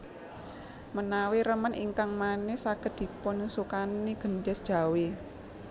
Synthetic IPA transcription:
mənaweɾəmənʔḭŋkaŋmanesaɡ̥ə̤t̪̚d̪̥i̤pʊnsukaniɡ̥ə̤nɖɛsd̥ʒ̥a̤we

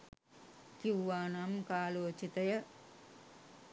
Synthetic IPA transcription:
kiwːaːnaːmkaːloːt͡ʃit̪ɐjɐ

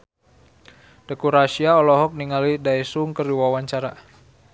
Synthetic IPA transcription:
d̥ɛkuɾasiaɔlɔɦɔk̚niŋalidaɛsuŋkəriwawaɲt͡ʃaɾa

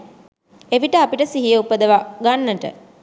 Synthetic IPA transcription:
eʋiʈəapiʈəsiɦijəupəd̪əʋaɡanːəʈə̰

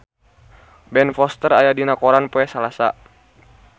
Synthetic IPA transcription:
bɛnfɔst̪ərajadinakɔɾanpoɛsalasa̰

